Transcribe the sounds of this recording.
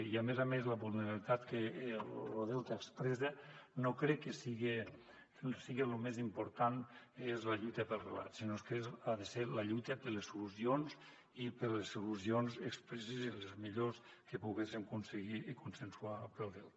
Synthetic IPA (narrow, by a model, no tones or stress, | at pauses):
iamezamezləβulˠneɾalit̪at̪keloðɛlt̪aekspɾɛzenokɾɛkːesiɣe | siɣelumezimpuɾt̪anezlaʎujt̪əpəlˠrela̰t̪sinoeskezaðeselɐʎujt̪əpəlesuluzionz | ipəlesulusionzekspɾɛsezilezmiʎos | kepuɣesiŋkunseɣikunsensuapelˠðɛlt̪